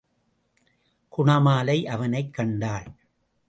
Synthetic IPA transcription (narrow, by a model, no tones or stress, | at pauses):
kʊɳɐmaːlɐɪʔɐʋɐnɐɪkːɐɳɖaːl